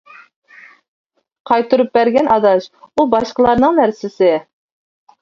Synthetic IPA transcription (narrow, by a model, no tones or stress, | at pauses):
qʰɑjt̪ʰuɾup̚bæɾɡʲɛnʔɑd̪ɑsubɑʃqəlˠɑɾnɨŋnæɾsɪsɪ